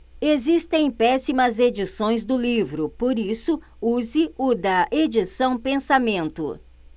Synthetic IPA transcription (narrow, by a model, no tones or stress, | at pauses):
ezist̪ẽj̃pɛsimɐzed͡ʒisõj̃zd̪ʊlivɾʊpoɾisʊ | uzɪʊd̪ɐʔed͡ʒisɐ̃w̃pẽsamẽnt̪ʊ̰